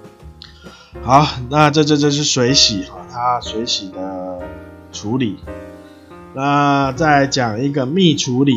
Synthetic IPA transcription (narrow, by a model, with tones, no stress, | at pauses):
ha˨˦ʊna˥˧ʈ͡ʂɤ˥˧t͡ɕjo˥˧t͡ɕjo˥˧ʊʂ̬ɻ̩˥˩swe˧˦ɪɕi˨˩˦ha˥˨t̪ʰa˦˥swe˧˥ɪɕi˨˩d̪ə˦ | ʈ͡ʂʰu˨˦li˨˩˦ | na˥˨t͡sa˥˩ɪt͡ɕjaɑ˨˩ŋi˧˦ɡə˨mi˥˩ʈ͡ʂʰu˨˧˦li˨˩